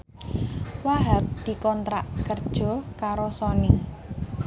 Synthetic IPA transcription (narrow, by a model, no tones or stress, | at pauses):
waɦap̚d̪̥i̤kɔnt̪ɾaʔkərd̥ʒ̥ɔ̤kaɾosɔnɪŋ